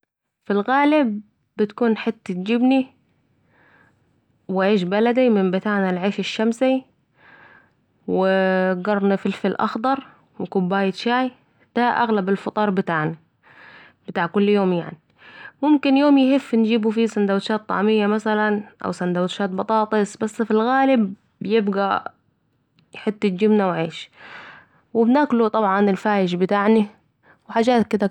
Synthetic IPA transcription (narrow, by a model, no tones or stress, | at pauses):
fɪlɣaːlɪb̚ː | ɪt̪kuːnħɪt̪ːat̪d͡ʒɪbni | wɪʕeːʃbalad̪imɪmbɪt̪aːʕnalʕeːfɪʃːamsi | wɪɡɑrˤnifɪlfɪlʔɑ̰xd̪ˤɑɾˤ | wɪkʊbːaːjɪt̪ʃaːj | d̪̥aʔa̰ɣlabɪlfɑt̪ˤɑːɾˤbɪt̪aːʕna | b̥ɪt̪aːʕkʊlːjoːmja̰ʕni | mʊmkɪnjoːmjhɪfːnd͡ʒiːbufisand̪awt̪ʃaːt̪ˤːɑ̰ʕmɪjːamasalanʔa̰wsand̪awt̪ʃaːt̪̚bɑt̪ˤɑːt̪ˤɨsbasːfilɣaːlɪb | jɪbɡa | jħɪt̪ːɪt̪̚d͡ʒɪbnawʕeːʃ | wɪbnaːklut̪ˤɑbʕɑnɪlfaːjɪʃbɪt̪aːʕni | wħaːd͡ʒaːt̪kɪd̪a